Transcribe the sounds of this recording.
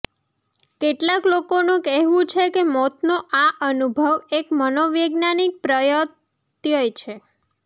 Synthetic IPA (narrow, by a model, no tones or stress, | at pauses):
keʈlaklokonũkɛɦʋũt͡ʃʰekemɔt̪noʔaʔənubʱəʋekmənoʋjəɡnanik̚pɾəjət̪ | jojt͡ʃʰe